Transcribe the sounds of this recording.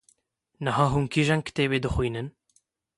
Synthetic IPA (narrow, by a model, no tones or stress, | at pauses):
nɨɦɑːɦunkʰiʒɛŋɡ̚kt̪eːβeːd̪ɨxʷijnɨn